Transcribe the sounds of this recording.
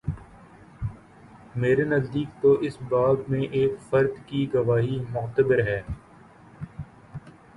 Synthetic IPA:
meːɾenɐzd̪iːk̚t̪oʔɪsbaːbmẽʔeːkfɐɾd̪kiɡɐʋaːɦimʊxt̪əbɪɾɦɛː

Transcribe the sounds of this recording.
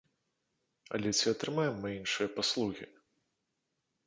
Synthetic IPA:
ɐ̰lʲɛt͡sʲiɐt̪ɾɨmajɛmːɨinʂɨjɐpaslˠuɣʲi

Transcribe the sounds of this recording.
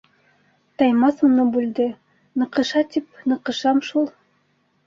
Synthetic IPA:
t̪ɑjmɑsunɤbʉld̪ɘ | nɤ̆qɤ̆ʃɑt̪ip̚nɤ̆qɤ̆ʃɑmʃulˠ

